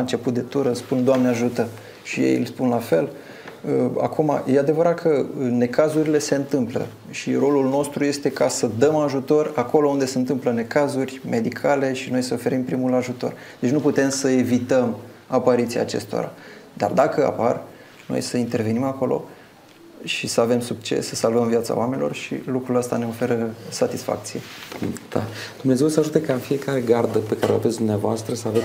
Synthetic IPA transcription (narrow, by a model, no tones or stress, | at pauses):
aɨnt͡ʃe̞put̪̚d̪e̞t̪uɾəspund̪oamneaʒut̪ə | ʃijḛjlspunlafe̞l | əa̰kuma̰je̞ad̪e̞vəɾat̪̚kʰəne̞kazuɾile̞se̞ɨnt̪ɨmplə̰ | ʃiro̞lulno̞st̪ɾuje̞st̪e̞kasəd̪əmaʒut̪o̞rako̞lo̞und̪e̞se̞ɨnt̪ɨmpləne̞kazurʲme̞d̪ikʰale̞ʃino̞jsəofe̞ɾimpɾimulaʒut̪o̞̰rd̪̥et͡ʃʲnuput̪e̞msəe̞vit̪əm | apaɾit̪sijaːt͡ʃe̞̰st̪o̞̰ɾa̰d̪a̰rd̪akəa̰par | no̞̰jsəint̪e̞rve̞nimako̞lʔo̞̰ | ʃisəave̞msuk̚t͡ʃe̞̰sːəsalvəmviat̪sa̰wame̞nilo̞rʃḭlukɾuləst̪ane̞o̞fe̞ɾəsat̪isfa̰k̚t̪sijed̪̥a̰d̪̥umnezewsəaʒut̪ekaɨnfije̞kaɾe̞ɡard̪əpe̞kaɾeoa̰vesd̪umneavoast̪ɾəsəave